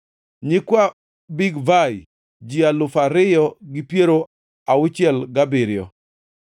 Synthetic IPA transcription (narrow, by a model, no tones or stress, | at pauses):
ɲɪkwa | biɡvaj | d͡ʒialʊfaɾɪjɔɡɪpjeɾo | aʊt͡ʃjɛlɡabɪɾjɔ̰